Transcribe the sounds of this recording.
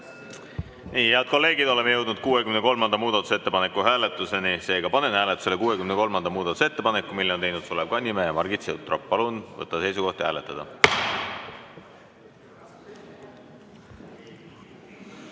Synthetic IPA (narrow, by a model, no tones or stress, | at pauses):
niːheɑd̪̥̚ko̞lːe̞ːɡ̥id̪o̞le̞mejɤ̞wd̪nud̪̚kuːe̞kymne̞ko̞lmɑnd̪ɑmuːd̪̥ɑt̪ˑu̥set̪ːe̞pɑne̞kːˑuɦæːle̞t̪ːˑuse̞nise̞ːɡ̥ɑpɑne̞nhæːlet̪ːˑu̥sele̞kuːekymneko̞lmɑnd̪̥ɑmuːd̪ɑt̪u̥see̞t̪ːe̞pɑne̞kːˑumilːeo̞nejnud̪̥solebkɑnʲːimeːjɑmɑrɡit̪seut̪ːˑropːɑlunvɤ̰t̪ːˑɑse̞jsuko̞ht̪jhæːle̞t̪ːˑɑd̪̥ɑ